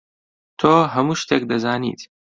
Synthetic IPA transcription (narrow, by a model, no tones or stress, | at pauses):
t̪ʰoːɦɐmuːʃt̪eːk̚d̪ɐzaːnḭt̪